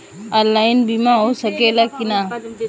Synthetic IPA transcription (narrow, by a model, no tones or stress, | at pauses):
alːainbimãːɦoːsɐkeːlakɪnaː